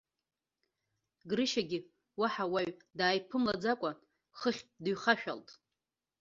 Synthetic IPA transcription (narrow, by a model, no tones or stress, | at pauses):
ɡɾɨʃaɡʲɪ | waħawaɥdaːjpʰɨmlad͡zakʷʼa | χəχʲdɥχaʃᶣa̰ltʼ